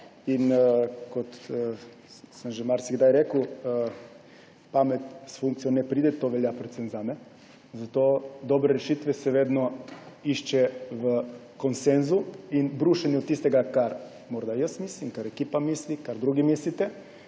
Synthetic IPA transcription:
inkot̪ə | səmʒɛmaɾsiɡd̪ajɾeːkəwə | pamɛt̪sfuŋk̪̚sijɔnɛpɾiːd̪ɛt̪ːoʋɛljapɾot̪senzamɛ | zat̪oːd̪obɾɛɾɛʃit̪ʋɛsɛʋeːd̪nɔiʃt͡ʃɛʋə | konsenzuinbɾuːʃanɛɔt̪̚ːist̪ɛɡakaɾ | mɔɾd̪ajəsmislimkaɾɛkiːpamislikaɾd̪ɾuːɡimislit̪ɛ

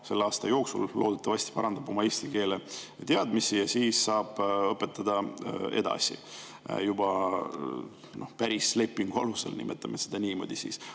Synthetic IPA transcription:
se̞lːɑːst̪ɑjo̞ːksulːo̞ːd̪et̪ːˑɑvɑsʲt̪i̥pɑɾɑnd̪ɑb̥o̞mɑe̞ːsʲt̪ike̞ːle | t̪eɑd̪misijɑsiːsːɑːb̥ɤpːˑe̞t̪ˑːɑd̪̥ɑe̞̰d̪̥ɑ̰sḭ | jub̥ɑ | no̞hpæɾisle̞pːˑiŋɡ̥uɑ̰luse̞̰lnḭmʔet̪ˑːɑmesed̪̥ɑniːmo̞̰d̪̥isḭs

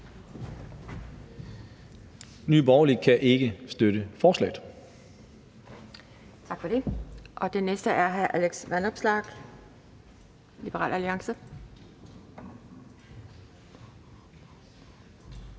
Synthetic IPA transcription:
nyːb̥ɒʊlikʰæʔe̝ɡ̥əsd̥øɾəfɒːslɛ̰ɪð̥̩ˠ | t͡sʰɑ̈ɡ̥fɒ̽d̥e̝ʔɒ̽d̥enesd̥əʔæɐɦæʔæleɡ̥sʋænɒ̽b̥slɑ̈ːɡ̥ | lib̥əʁɑ̰ːlæliɑ̈ŋsə

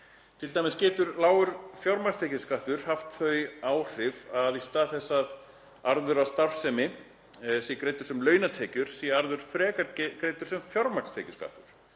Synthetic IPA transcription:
t̪ʰɪlt̪ajmɪscɛːt̪ʏɾlaːwʏɾfjaɾmast̪ʰɛːcʏskaht̪ʏɾ̥haft̪θœɥjaːwr̥ɪvaðist̪aːðθɛsːað | aɾðʏɾast̪afsɛmɪ | sikɾeːjt̪ʏɾsɛmlœːɥnat̪ʰɛːcʏɾ̥siaɾðʏɾ̥fɾɛːkaɾkɾejt̪ʏɾ̥sɛmfjɔɾmakst̪ʰɛːcʏska̰ht̪ʏɾ̥

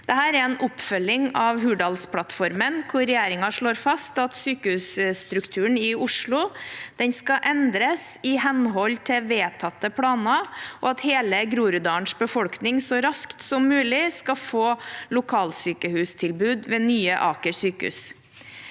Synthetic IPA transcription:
d̪̥ɛɦæːɾɛɾɛnʔʊpːfœlːɪŋɑʋɦʉːɖɑlspʰɽɑt̪fɔɾmənkʰʊɾɾɛjeːɾɪŋɑʂɭoːɾfɑst̪ɑt̪syːkəhʉːsst̪ɾʉkt̪ʰʉːəɳɪʊʂɭʊd̪̥ɛnskɑʔɛnd̪ɾəsɪhɛnɦɔlt̪ʰɪʋeːt̪ʰɑt̪ːəpʰɽɑːnɑʔɔɑt̪heːləɡɾuːɾʉd̪ɑːɳʂbəfɔlknɪŋsɔɾɑskt̪sɔmːʉːlɪskɑfoːlʊkʰɑːlsyːkəhʉːst̪ʰɪlbʉːd̪ʋeːnyːəʔɑːkəɾsyːkəʉ̰ːs

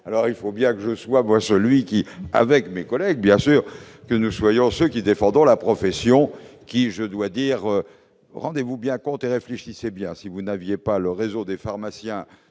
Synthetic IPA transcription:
alɔʁilfobjɛ̃kəʒəswamwasəlɥikʲia̰vɛkmekɔlɛɡ̚bjɛ̃syːʁ | kənuswajɔ̃søkʲid̪efɑ̃d̪ʁɔ̃lapχɔfɛsjɔ̃kʲiʒəd̪wad̪iʁø | ʁɑ̃d̪evubjɛ̃kɔ̃t̪eʁefleʃisebjɛ̃sivunavjepaləʁezod̪efaʁmasjɛ̃

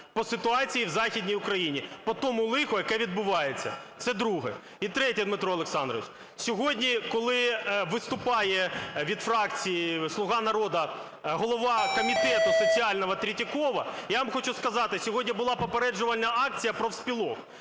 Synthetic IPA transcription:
pɔsɪt̪ʊɑt͡sʲijiwzɑxʲidʲnʲijʊkɾɐjinʲipɔt̪ɔmʊlˠɪxʊjɐkɛʋʲid̪̚bʊʋɑjet͡sʲːɐ̰t̪sɛd̪ɾuɦɛ̰ | it̪ɾɛtʲid̪mɪt̪ɾɔlˠeksɑnd̪ɾɔ̰ʋɪt͡ʃ | sʲɔɦɔdʲnʲikɔlˠɪʋɪst̪ʊpɑjɛʋʲid̪fɾɑkt͡sʲijislˠʊɦɑnɐɾɔd̪ɐ | ɦɔlˠɔʋɑkɔmʲit̪ɛt̪ʊsɔt͡sʲiɑlʲnɔɦɐt̪ɾʲitʲikɔʋɐjaʋɐmxɔt͡ʃʊskɐzɑt̪ɪsʲɔɦɔdʲnʲibʊlˠɑpɔpeɾɛd͡ʒʊʋɐlʲnɐɑk̚t͡sʲijɐpɾɔwsʲpʲilˠɔk

